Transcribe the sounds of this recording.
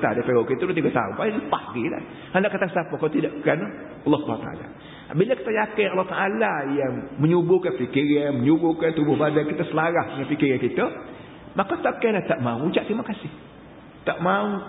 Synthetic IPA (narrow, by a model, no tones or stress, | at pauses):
t̪adapeokit̪udot̪iɡat̪a̰ʊ̰npailəpahɡila̰h | handaʔkat̪aŋsapakaut̪idaʔkan | ɑlˠːɑhsubʱa̰nut̪a̰ʔa̰la̰ | abilaki̥t̪ajakɪnɑlːɔht̪aʔalajaŋməɲubʊkanpikɪrɲaməɲubʊkant̪ubʊhbadakit̪əsəlaɾahdəŋanpikɪɾɲakit̪ə | makat̪aʔkalaht̪aʔmaut͡ʃaʔt̪imakasɪh | t̪aʔmau